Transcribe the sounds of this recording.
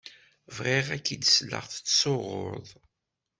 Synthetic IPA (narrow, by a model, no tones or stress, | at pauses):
vʁeʁækːid̪slːə̰ʁθə̥t͡sːsoʁʊ̰ɾðˤ